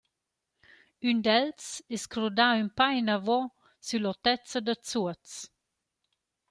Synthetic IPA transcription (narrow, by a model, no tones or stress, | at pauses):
ynd̪ɛlt͡sɛskɾod̪aympajnavɔ | sylɔt̪ɛt͡səd̪ət͡suət͡s